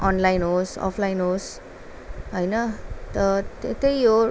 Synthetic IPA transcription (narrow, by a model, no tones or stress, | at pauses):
ɔnlajnosɔ̰pʰlajnos | ɦojnʌt̪ʌt̪t̪ejo